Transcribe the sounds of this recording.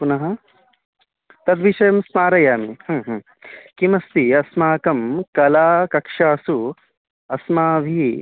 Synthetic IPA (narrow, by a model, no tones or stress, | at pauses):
punɐɦɐ | t̪ɐd̪ʋiʃɐjɐmsmaːɾɐjaːmihɐɦ | kimɐst̪iɐsmaːkɐmkɐlaːkɐkʂaːsu | ɐsmaːʋʱi